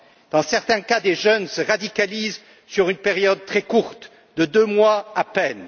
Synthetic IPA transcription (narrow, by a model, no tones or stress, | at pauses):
d̪̥ɑ̃sɛʁt̪ɛ̃kad̪eʒœnsəʁad̪ikaliz | syʁynpeʁjɔd̪̚t̪χɛkuʁt̪ | d̪əd̪ømwaapɛn